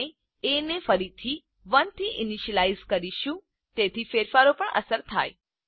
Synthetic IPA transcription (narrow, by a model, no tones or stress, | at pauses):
e | enefəɾit̪ʰi | ʋənt̪ʰiʔɪniʃəlajzkəɾiʃũ | t̪et̪ʰifeɾfaɾopəɳʔə̰səɾt̪ʰa̰j